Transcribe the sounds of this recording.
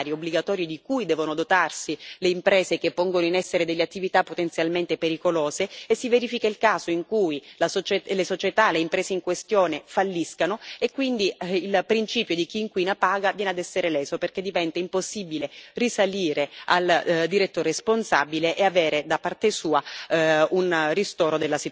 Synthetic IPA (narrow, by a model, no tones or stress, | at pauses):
ɾjobliɡat̪ɔːɾjod̪ikujd̪ɛːvonod̪ot̪arsileimpɾɛːzekepːɔŋɡonoinɛsːeɾed̪elːeat̪ːivit̪apːot̪ent̪sjalment̪epeɾikoloːzeesːiveɾifikailkaːzoiŋkujlasot͡ʃelesot͡ʃet̪aleimpɾɛːzeiŋkwest̪joːnefalːiskanoekːwind̪iilpɾint͡ʃiːpjod̪ik̟iːŋkwinapaːɡavjɛːnead̪ɛsːeɾelɛːsoperk̟ed̪ːivɛnt̪aimposːibilerisaliːɾeald̪iɾet̪ːoɾesponsabileʔeaveːɾed̪apːart̪esuːa | unrist̪oːɾod̪elːasit̪